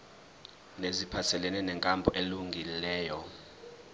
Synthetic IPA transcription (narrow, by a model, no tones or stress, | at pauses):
nezipʰasɛlɛnɛnɛŋkʼambʱɔʔeluŋɡʱilɛːjɔ